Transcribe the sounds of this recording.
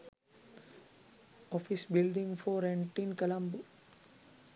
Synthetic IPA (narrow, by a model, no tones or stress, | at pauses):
ɔfisbilɖĩŋfɔːɾɛ̃ɳʈinkəlãmbu